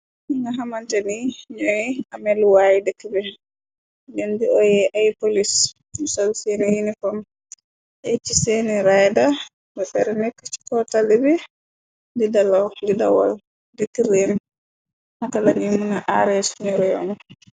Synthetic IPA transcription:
iŋɡaɦamantɛniɲɔiamɛlwaːjidɛkːibɛ | dɛndiɔjɛʔajpolis | sɔlsɛnijinikɔm | ʔɛt͡ʃiseniɾajda | bɔɗɛɾɛnɛkːt͡ʃi̥kɔtalɛbɛ | didalawdidawa̰l | dɛkːiɾin | hakalanimunaʔaɾɛsunɛɾɔjɔ̰nɔ

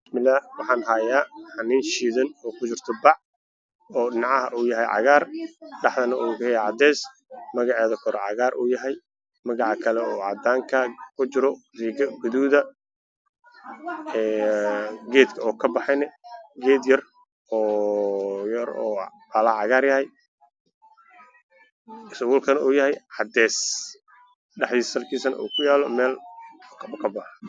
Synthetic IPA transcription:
smɪlawɑħɑːnɦaːjaːħɑniːnʃiːðɐnɔːkʰʊt͡ʃɪrt̪ʰɔbɑʕ | ɔːɗɪnɑʕɑɦɐʔuːjɐɦɛjʕɑ̰ɣaːrɖɑħd̪ɐnɐʔuːkɛʕɑd̪ɛːs | mɐɣɑʕɛːðɐkʰɔɾɛʕɑ̰ɣaːɾʔuːjɐɦɛj | mɐɣɑʕɑkʰɐlɛɔːʕɑ̰d̪aːŋkʰɐkʰʊt͡ʃɪɾɔriɡɐɡʊðuːðɐ | ɛː | ɡɛːd̪kʰɐɔːkʰɐbɑħɑnɛɡɛːd̪jɐr | ɔː | jɐɾɔːbalɐʕɑɣaːrjɐɦɛj | ɪsɔwʊːlkʰɐnɐuːjɐɦɛjʕɑd̪ɛːs | ɖɐħd̪iːssɐlkʰiːsɐnɐ̰ʔṵːkʰʊjaːlɔmɛːlːkʰkʰɐbɑħɑ

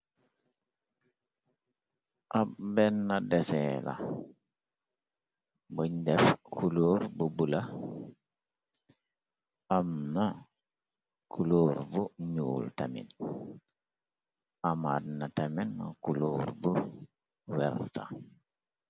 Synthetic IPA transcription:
ʔabenːadesela̰ | buɲdefkʰuloːɾbubula | amna | kʰuluːɾbuɲuːltamḭn | amadnatamenːa̰kuluɾbu | wɛɾta̰

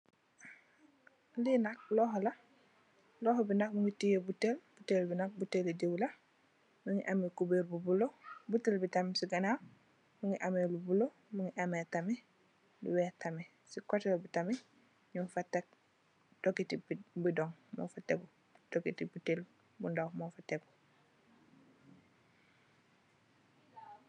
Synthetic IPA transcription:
linak̚lɔːɦola | lɔːɦobinak̚muŋitijebutelb̥utelbinak̚buteledewla | muŋiʔamekubeɾbubulobutilbitamesiɡana | muŋiʔamelubulo | muŋiʔametami | lṵwɛtame | sikotelbutame | ɲuŋfatːak̚ | d̥okitibidɔŋmo̰fatḛɡu | dokitibutel | bundawmofateɡu

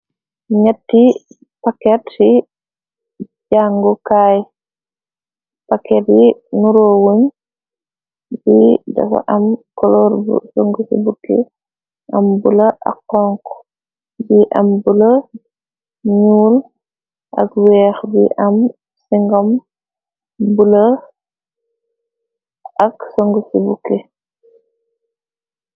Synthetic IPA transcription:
ɲatːi | pakɛtsi | ɟaŋɡɔkaj | pakːɛt̚inuɾɔwoɲ | bida̰fa̰ʔamkɔlɔɾbṵsoŋɡusibukːḭ | ʔambulaʔa̰kːɔŋk | biʔambulə | ɲuːl | ʔɐ̰kwɛːxbiʔɐm | siŋɡɔm | bulə | ksoŋɡusibukːe

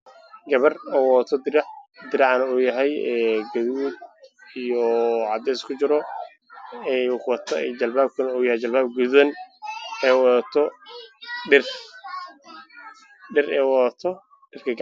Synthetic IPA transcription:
ɡɐβɐrɔːwɔt̪ʰɔd̪ɪɾɑʕd̪ɪɾɑʕɑnɐɔːjɐɦɛjɛːɡɐðuːd̪̚ijɔʕɑd̪ɛːskʰʊt͡ʃɪɾɔ | ɛkwɐt̪ʰɐd͡ʒɐlbaːb̚kʰɐnɐɔːjɐhɛjt͡ʃɐlbaːb̚ɡuðɐn | ɛwðt̪ʰɔ | ɖɪr | ɖɪrɛːwɔðɐt̪ʰɔ | ɖɪrkʰɐɡ

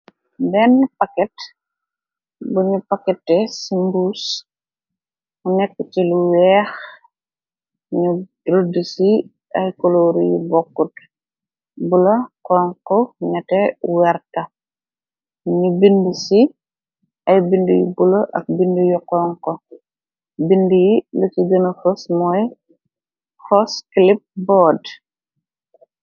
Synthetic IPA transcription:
bɛnpakɛt | buɲupakɛtːɛsimbus | unɛkːət͡ʃiluwɛːx | ɲu | ɾudisi | ɐjkɔloɾujubɔkːut | bulokɔːŋkɔɲɐtɛwɛrtɐ | ɲubindusi | ʔɐjbindujḭbulɐʔɐ̰k̚bindujuqɔŋkɔ | bindujilut͡ʃiɡɐnɐfɔsmɔj | xɔskilip̚bɔːd

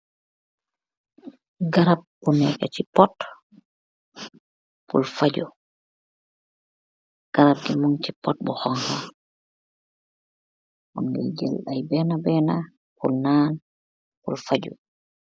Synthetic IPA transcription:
ɡaɾab̚bunɛkat͡ʃipɔt | pṵlfad͡ʒɔ | ɡ̥aɾab̚dimuŋt͡ʃipɔt̚bɔhɔŋha | ʔɔnɡɛ̰d͡ʒɛ̰lajbɛːnabɛːna | pulnaːn | pulfad͡ʒɔ̰

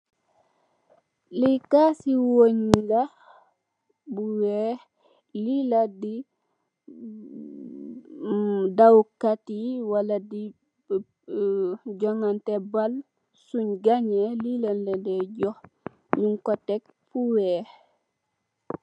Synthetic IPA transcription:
likasiwoɲɡa | buwɛːh | liladi | dawkatiwaladi | ɟɔŋantɛbal | suɲɡaɲelilanlɛdɛɟɔh | ɲuŋkɔtɛk̚ | fuwɛːh

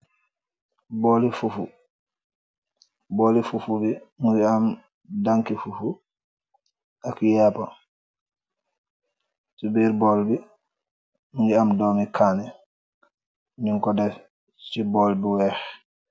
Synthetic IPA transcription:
boːlifufṵ | bolifufubiŋuɡiam | daŋkifufu | akjaːpa | subiːɾboːlbi | nuŋɡiamdoːmikʰaːnɛ | miŋkɔdɛ | siboːlbiwɛːx

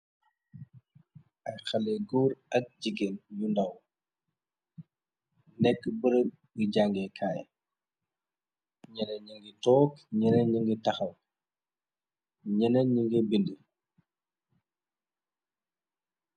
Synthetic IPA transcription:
ʔɐjxɐlɛɡuːɾɐk̚d͡ʒiɡenjundɐw | nɛkːbəɾə | biɟaŋɡɛkʰaːj | ɲɛnɐɲiŋɡitɔːkɲɛnɐɲiŋɡitɐxɐw | ɲɛnɐɲiŋɡəbində

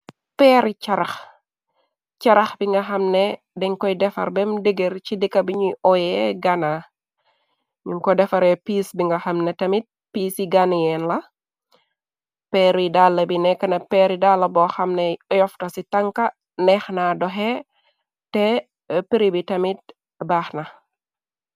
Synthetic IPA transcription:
pɛɾit͡ʃɐɾɐx | t͡ʃɐɾɐxbiŋɡɐxɐmnɛ | dɛŋkɔjdɛfɐ̰ɾbɛmdəɡeɾt͡ʃidikːɐbiɲuʔɔjɛɡana | ɲuŋkɔdɛfɐɾɛpiːsbiŋɡɐxɐmnetɐmit̚ | piːsiɡanjɛnlɐ | pɛɾidalːɐbinɛkːɐnɐpɛɾidalːɐbɔxɐmnɛɔjɔftɐsitɐŋkɐ | nɛxnadɔɦɛ | tɛ | piɾibitɐmit̚ | baxnɐ

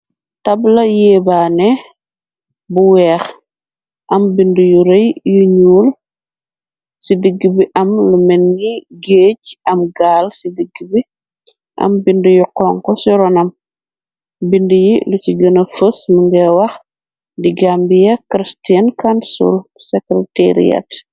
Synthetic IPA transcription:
tɐblɐjɛːbaːnɛ | buwɛːx | ʔɐmbindujuɾɐjjuɲuːl | sidəɡːibiʔɐmlumɛnɡiɡeːɟɐmɡaːlsidəɡːibi | ʔɐ̰mbindujuqɔŋkɔsiɾɔnɐm | bindujiluciɡənɐfəsməŋɡɛwɐx | diɡambijɐkɾistɛnkansṵlsɛkɾɛteɾḭja̰t

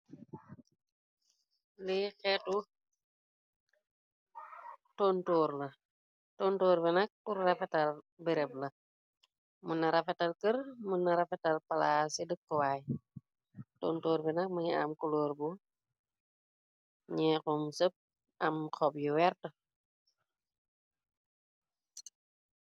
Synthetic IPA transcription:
lixɛtu | toːntɔːɾlɐ | toːntɔːɾbɛnɐk̚purrɐfɛtɐl | bɛɾɛb̚lɐ | munɐɾɐfɐtɐlkərmunːɐɾɐfɛtɐlpɐlasidəkːɔwaːj | toːntoːɾbɛnɐk̚muɲia̰mkuloːɾbu | ɲɛkɔmsəp̚ | ɐmkɔbjuwɛɾtə

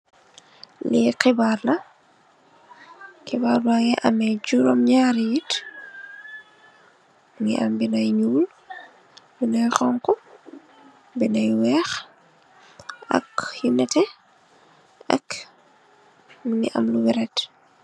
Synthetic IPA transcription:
liqibaːrlɐ | qibaːɾlajɛʔɐmɛjd͡ʒuɾɔmɲaːɾijit | ŋiʔɐ̰mbinɐjɲuːl | binɐjxɔŋkɔ | binɐjwɛːx | ɐ̰kjinɛtɛ | ɐ̰k | ŋiʔɐ̰mluwiɾɛt

